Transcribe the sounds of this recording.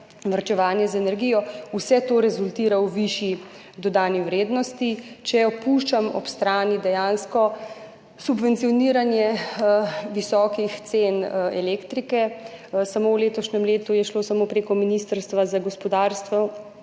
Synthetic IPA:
ʋaɾt͡ʃɛʋaːnjɛzaɛnɛɾɡijɔusɛt̪oːɾɛzult̪iːɾawʋiʃi | d̪ɔd̪aːniwɾeːd̪nɔst̪it͡ʃɛɔpuːʃt͡ʃamɔ̰pst̪ɾaːnid̪ɛjaːnskɔ | subʋɛnt̪siɔniːɾanjɛ | ʋisɔːkixt̪senɛ̰leːkt̪ɾikɛsamowleːt̪ɔʃnɛmleːt̪ujɛʃlosamoːpɾeːkɔminist̪əɾst̪ʋazaɡɔspɔd̪aːɾst̪ʋɔ

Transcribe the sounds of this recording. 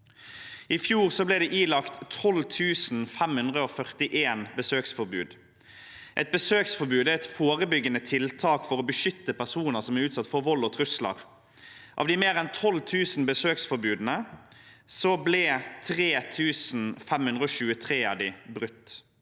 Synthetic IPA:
ɪfjuːʁsɔblɛd̪ɛʔiːlɑkt̪ʰɔlt̪ʰʉːsn̩fɛmhʉnd̪ʁəofœʁt̪ɪʔeːnbəsøːksfɔɾbʉːd̪ | ʔɛt̪̚bəsøːksfɔʁbʉːd̪ɛɛt̪foːʁəbʏɡːənət̪ʰɪlt̪ʰɑːkfɔʁoːbəʃʏt̪ːəpʰæʁsuːnəʁsɔmæʉːt̪sɑt̪ːfɔʁʋɔlːɔt̪ʰʁʉslə̰ʁ | ʔɑ̰ːʋd̪ɪmeːʁɛnt̪ʰɔlt̪ʰʉːsn̩bəsøːksfɔɾbʉːd̪n̩ə | sɔblɛt̪ʰʁeːt̪ʰʉːsn̩fɛmhʉnd̪ɾəoːʃʉːət̪ʰʁeːɑ̰d̪ɪbʁʉt̪ː

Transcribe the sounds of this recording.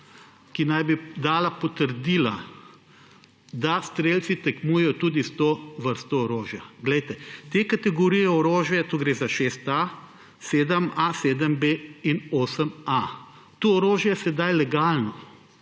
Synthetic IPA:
kinajbid̪aːlapɔt̪əɾd̪iːla | d̪ast̪ɾeːlt̪sit̪ɛkmuːjɛjɔt̪uːd̪ist̪oʋəɾst̪ɔːɾoːʒjaɡlɛjt̪ɛt̪ekat̪ɛɡɔɾijɛɔɾoːʒjɛt̪uɡɾeːzaʃeːst̪a | seːd̪əmaseːd̪əmbeinoːsəma | t̪oːɾoːʒjɛɛsɛd̪ajlɛɡaːlnɔ

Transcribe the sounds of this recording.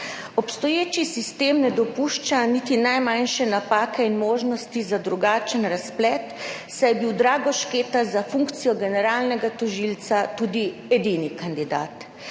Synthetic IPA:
ɔpst̪ɔjeːt͡ʃisist̪eːmnɛd̪ɔpuʃt͡ʃanit̪inajmanʃɛnapaːkʰɛinmoːʒnɔst̪izad̪ɾuɡaːt͡ʃənɾasplɛt̪ | sajɛbiwd̪ɾaːɡɔʃkeːt̪azafuŋkt̪sijɔɡɛnɛɾaːlnɛɡat̪ɔʒilt̪sat̪ud̪iɛd̪inikand̪id̪a̰ːt̪

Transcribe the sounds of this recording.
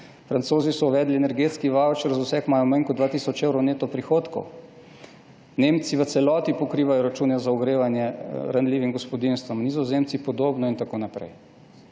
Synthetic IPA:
fɾant̪soːzisɔuʋɛːd̪lienɛɾɡeːt̪skiʋawt͡ʃɾzusɛkmaːjɔmaŋkɔd̪ʋaːt̪iːsɔt͡ʃewɾɔwneːt̪ɔpɾixoːt̪kɔ̰w | neːmt̪siʋət̪sɛlɔːt̪ipɔkɾiːʋajɔɾat͡ʃuːnɛzauɡɾeːʋanjɛɾanliːʋimɡɔspɔd̪inst̪ʋəmnizɔzemt̪sipɔd̪oːbnɔint̪akoːnapɾɛ̰j

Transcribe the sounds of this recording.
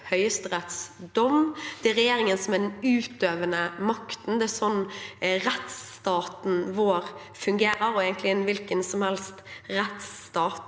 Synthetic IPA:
hœʏəst̪ɾɛt̪sd̪ɔmd̪̥ɛɾɛjeːɾɪŋənsɔmɛd̪ɛnʉːt̪øːʋənəmɑkt̪n̩d̪ɛæsɔnːɾɛt̪st̪ɑːt̪n̩ʋoːɾ | fʉŋɡeːɾəɾɔeɡənt̪lɪɛnʋɪlkənsɔmhɛlst̪ɾɛt̪st̪ɑːt̪

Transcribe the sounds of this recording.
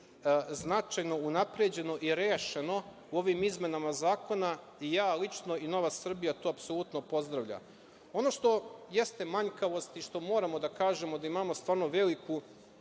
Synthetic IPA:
znat͡ʃajno̞unapɾed͡ʑe̞no̞ʔiɾeːʃe̞no̞ | uo̞ʋimizme̞namazaːko̞na | ijaːlit͡ʃno̞ino̞ʋasr̩bijat̪oːapso̞lut̪no̞po̞zd̪ɾaʋʎa̰ | o̞no̞ʃt̪o̞je̞st̪e̞maɲkaʋo̞st̪iʃt̪o̞mo̞ːɾamo̞d̪akaːʒe̞mo̞d̪aimamo̞st̪ʋaːɾno̞ʋe̞liku

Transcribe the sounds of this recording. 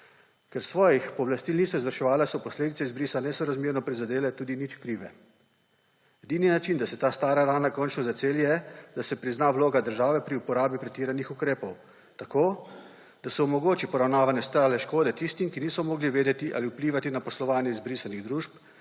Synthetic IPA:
kɛɾsʋɔːjixpɔblast̪iːlniːsɔizʋəɾʃɛʋaːlɛsɔpɔsleːd̪it̪ɛizbɾiːsanɛsɔɾazmiɾnɔpɾizad̪eːlɛt̪uːd̪init͡ʃkɾiːʋɛ | ɛd̪iːninat͡ʃind̪asɛt̪aːst̪aːɾaɾaːnakɔnt͡ʃnɔzat͡s̪eljɛd̪asɛpɾiznaʋloːɡad̪əɾʒaːʋɛpɾiupɔɾaːbipɾɛt̪iːɾanixukɾeːpɔw | t̪akoː | d̪̥asɛɔmɔɡoːt͡ʃipɔɾawnaːʋanjɛst̪alɛʃkoːd̪ɛt̪ist̪imkiniːsɔmɔːɡliʋeːd̪ɛt̪iʔa̰liupliːʋat̪inapɔslɔʋaːnjɛizbɾisaniɣd̪ɾuːʃp

